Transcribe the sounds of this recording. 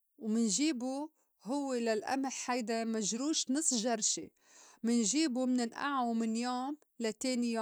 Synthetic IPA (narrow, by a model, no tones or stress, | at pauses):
wmɪnʒiːbu | hʊwːelalʔa̰mɪħhajd̪amaʒɾuːʃnɨsˤːʒɑɾˤʃi | mɪnʒiːbumɪnɪnʔa̰ʕumɪnjoːm | lat̪eːnɪja